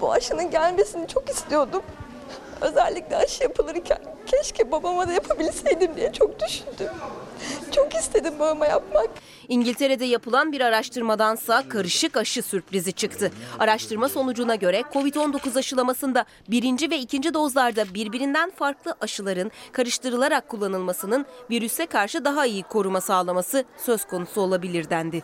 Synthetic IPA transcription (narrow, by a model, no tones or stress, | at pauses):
bṵaʃɯnɯnɟælʲme̞sinit͡ʃʰo̞kist̪ʰijo̞d̪um | ø̞̰zælʲːiclʲɛaʃɯjapʰɯlˠɯɾicʰæ̰n | cʰɛʃcʰibabamad̪ajapʰabilʲisejd̪imd̪ijɛt͡ʃʰok̚d̪yʃynd̪ym | t͡ʃʰo̞kist̪ʰe̞d̪imbabamajapmak | iɲɟilʲt̪ʰe̞ɾe̞d̪ɛjapɯlˠanbiɾaɾaʃt̪ɯɾmad̪ansaːkʰaɾɯʃɯkaʃɯsyɾpɾizit͡ʃʰɯkt̪ʰɯaɾaʃt̪ʰɯɾmaso̞nud͡ʒunaɟø̞ɾɛkʰo̞vit̪o̞nd̪o̞kuzaʃɯlˠamasɯnd̪a | biɾind͡ʒivɛicʰind͡ʒid̪o̞zlˠaɾd̪abiɾbiɾind̪ænfaɾklˠɯʔaʃɯlˠaɾɯnkʰaɾɯʃt̪ʰɯɾɯlˠaɾakʰːulˠːanɯlˠmasɯnɯnviɾysɛkʰaɾʃɯd̪aɦaijikʰo̞ɾumasaːlˠamasɯsø̞z̥kʰo̞nusuo̞lˠabilʲiɾd̪ænd̪ɪ